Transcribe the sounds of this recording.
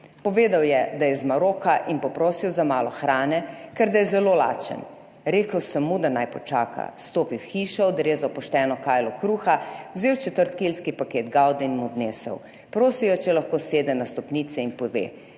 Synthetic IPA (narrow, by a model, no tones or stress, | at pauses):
pɔʋeːd̪awjɛd̪ajɛzmaɾoːkaʔinpɔpɾoːsiwzamaːlɔxɾaːnɛkɛɾd̪ajɛzɛloːla̰ːt͡ʃə̰n | ɾeːkəwsəmːud̪anajpɔt͡ʃaːka̰st̪oːpiwxiːʃɔɔd̪ɾeːzɔpɔʃt̪ɛːnɔkaːjlɔkɾuːxawzeːwt͡ʃɛt̪əɾt̪kilskipakeːd̪ɡawd̪ɛinmud̪neːsə̰w | pɾoːsiwjɔt͡ʃɛlaxkoːseːd̪ɛnast̪ɔpniːt̪sɛinpɔʋḛː